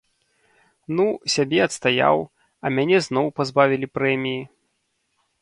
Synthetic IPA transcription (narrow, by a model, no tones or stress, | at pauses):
nusʲabʲɛɐt̪st̪aja̰w | ɐmʲanʲɛznɔwpazbavʲilʲipɾɛmʲiji